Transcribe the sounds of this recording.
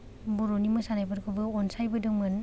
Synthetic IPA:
boɾonimɯsanajpʰaɾkʰɯbɯɔnsajbɯdɯŋmɯn

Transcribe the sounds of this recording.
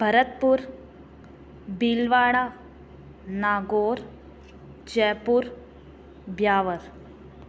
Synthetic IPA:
b̥ʱəɾət̪̚puːɾ | bilʋaːɽa | naːɡoːɾ | d͡ʑɛpuːɾ | bjaːʋəɾ

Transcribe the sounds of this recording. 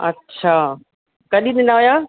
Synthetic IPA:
ɐ̰tːɕʰaː | kɐɗiɗɪ̃nd̪aɦojaː

